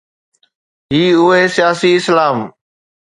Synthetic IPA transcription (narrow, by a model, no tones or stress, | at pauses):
ɦiːʊɦeːsɪjaːsiːɪslaːm